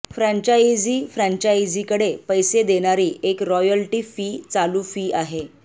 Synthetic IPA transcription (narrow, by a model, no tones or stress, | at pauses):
fɾãɲt͡ɕaid͡ziːfɾãɲt͡ɕajd͡zikəɽepəjsed̪eɽ̃aɾiːekɾɔjəlʈiːfiːt͡saluːfiːaɦe